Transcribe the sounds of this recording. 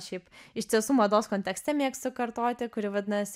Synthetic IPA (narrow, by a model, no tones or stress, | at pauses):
ʃʲɛɪpɪʃʲt̪ʲiɛsuːmɐd̪oːskoːnʲt̪ʲɛksʲt̪ʲɛmʲiɛkst̪sʊkɐɾt̪oːt̪ʲɪkʊɾʲɪʋɐd̪ʲɪnɐsʲ